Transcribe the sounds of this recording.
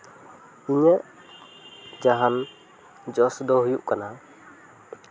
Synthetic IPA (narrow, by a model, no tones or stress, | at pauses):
iɲɛ | d͡ʒaɦan | d͡ʒɔsdɔhjuʔkana